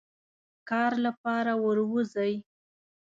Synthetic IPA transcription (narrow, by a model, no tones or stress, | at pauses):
kɑɾlapɑɾawəɾwuzaj